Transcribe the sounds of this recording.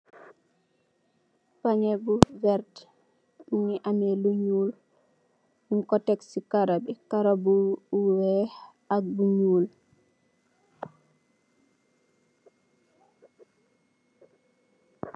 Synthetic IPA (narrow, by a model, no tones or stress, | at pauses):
paɲebuvɛɾd | uniʔamɛluɲuːl | ŋkɔtɛksikaɾabɛkaɾabuuwɛ | aɡ̚buɲuːl